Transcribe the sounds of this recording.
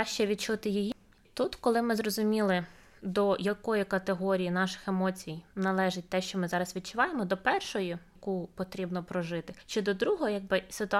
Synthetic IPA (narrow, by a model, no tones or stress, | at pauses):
aʃt͡ʃɛʋʲid̪̚t͡ʃut̪ɪjiji | t̪ut̪kɔlˠɪmɪzrɔzʊmʲilˠɪ | d̪ɔjɐkɔjikɐt̪eɦɔɾʲijinɑʃɪ̥xemɔt͡sʲijnɐlˠɛʒɪt̚ʲt̪ɛʃt͡ʃɔmɪzɑɾɐsʋʲid̪̚t͡ʃʊʋɑjemɔd̪ɔpɛrʃɔjʊ | kupɔt̪ɾʲibnɔpɾɔʒɪt̪ɪʃt͡ʃɔd̪ɔd̪ɾuɦɔɦɔjaɡ̚bɪsɪt̪ʊ